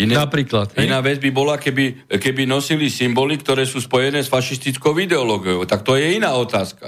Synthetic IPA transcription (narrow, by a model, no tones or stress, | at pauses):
inɛnapɾiːklat̪inaːʋɛd͡zbibɔlakɛbikɛbinɔsilisimbɔlikt̪ɔɾɛːsuːspɔjɛnɛːsfaʃist̪it͡skɔʊid̪ɛɔlɔːɡijɔʊt̪ak̚t̪ɔjɛinaːɔt̪aːska